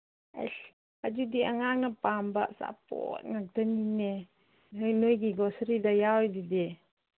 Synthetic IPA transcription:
a̰ɬ | ad͡ʒudiaŋaŋapambaʔsa̰po̰t̪̚ŋak̚d̪anine | ɦəjnojɡiɡɔsɾidajawjdide

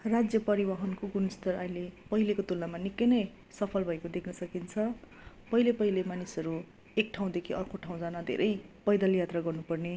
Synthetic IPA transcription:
rad͡zjʌpʌɾibʌɦʌnkoɡunʌst̪ʌrailepʌɦilekot̪ulnamanikːʌnʌj | sʌpʰʌlbʱʌekod̪ekʰnʌsʌkint͡sʰʌ | pʌɦilepʌɦilemanisʌɾu | ek̚ʈʰaw̃d̪ekʰiʌrkʰoʈʰaw̃d͡zanad̪ʱḛɾʔʌjpʌjd̪ʌljat̪raɡʌrnupʌrne

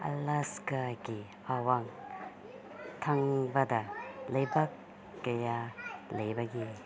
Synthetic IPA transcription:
ɐ̰laskaɡi | awaŋ | tʰɐŋbɐdɐlɐjbɐkː | ɐjalɐjbɐɡi

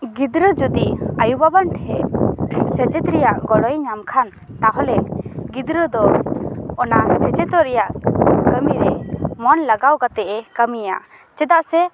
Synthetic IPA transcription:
ɡid̪ɾəd͡ʒud̪iajubabaɳʈɛʔsɛt͡ʃɛt̪ɾɛjaʔɡɔɽɔjɲamkʰan | t̪aɦɔlɛɡid̪ɾəd̪ɔ | ɔnasɛt͡ʃɛt̪ɔɾɛjaʔkəmiɾɛmɔnlaɡawɡat̪ɛʔɛkəmija̰ | t͡ʃɛd̪aʔsɛ

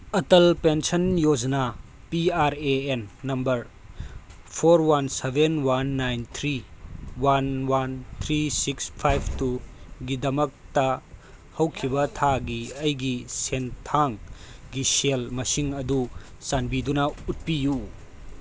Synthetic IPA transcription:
ɐtɐlpensɐnjod͡ʒna | piaɾeenːɐmbɐɾ | pʰoɾwansebʱenwanːajnt̪ʰɾiwanwant̪ʰɾisikspʰajbʰtuɡidɐmɐk̚tɐ | hɐwkʰibɐtʰaɡiɐjɡisentʰaŋɡiselmɐsiŋɐdusanbidunɐut̚piju

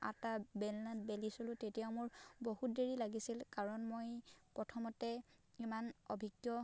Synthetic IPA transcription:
a̰tabɛnlantbelisolʊ̃tetijaʊmʊɹbohut̚deɹilaɡisilkaɹɔnmojpɹɔtʰɔmɔtɛimano̰bʱiɡjɔ

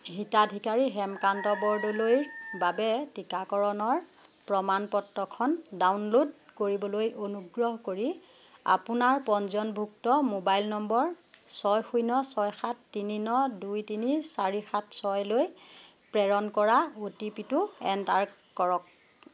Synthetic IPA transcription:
ɦitadʱikaɹiɦɛmkantɔbɔɹdɔlojbabɛtikakɔɹɔnɔɹpɹɔmanpɔtːɔkʰɔndawnlodkoɹibɔlojonuɡɹɔɦkoɹi | a̰pʊnaɹpɔnzɔnbʱuk̚tɔmobajlnɔmbɔɹ | sɔjxujnɔsɔjxatːininɔdujtinisaɹixat̚ʰsɔjloj | pɹɛɹɔnkɔɹaotipitʊɛntaɹkɔɹɔk̚

